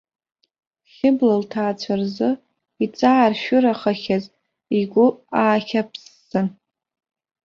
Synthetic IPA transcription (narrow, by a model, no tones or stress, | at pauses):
χʲɪblaltʰaːt͡ɕʷʰarzɨ | it͡sʼaːrʃᶣʊɾaχaχʲaz | iɡʷʊaːχʲapʰsːɨn